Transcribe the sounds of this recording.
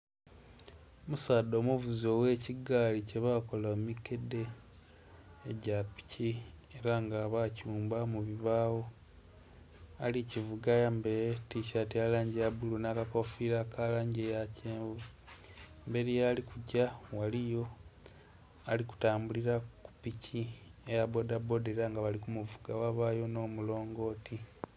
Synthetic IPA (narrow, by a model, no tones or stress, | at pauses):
omusaːdo̞ːmuvuzo̞we̞ːciɡaːlice̞βako̞lammike̞de̞ | ɟapi̥cʰieɾaŋɡaːβacuːmbamuβiβaːwo̞ | alicivuɡajambeɾetiʃatialaːɲɟiabulunaːkakofiɾakʰalaːɲɟejaceːvu | mbe̞ɾijalikuɟawalijo̞ | aliku̥taːmbuliɾaku̥piciejabo̞dabo̞deɾaŋɡaβalikumuvuɡawaβaːjo̞no̞ːmulo̞ːŋɡo̞ːtʰi